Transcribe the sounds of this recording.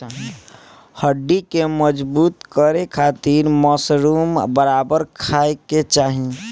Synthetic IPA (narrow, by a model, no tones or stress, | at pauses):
həɖːikeməd͡ʒbut̪kəɾekʰat̪iɾmɔsɾumbəɾabəɾkʰaeket͡ʃaɦi